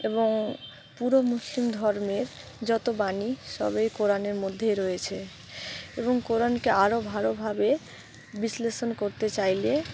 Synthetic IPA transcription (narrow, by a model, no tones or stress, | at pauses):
eboŋ | puɾomuslimd̪ʱɔɾmeɾ | d͡ʑɔt̪obaniʃɔ̰bejkoɾaneɾmod̪ʱːeɾɔjet͡ɕʰe | eboŋkoɾankeaɾobʱaɾobʱabe | bisleʃonkoɾt̪et͡ɕajle